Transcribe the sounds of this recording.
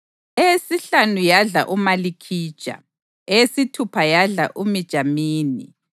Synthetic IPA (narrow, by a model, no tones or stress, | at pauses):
eesiɬanujaɮa̰ʔumalikʰiːd̥ʒ̥ʱʼa̰ | ɛjesitʰupʰajaɮa̰ʔumid̥ʒ̥ʱamiːni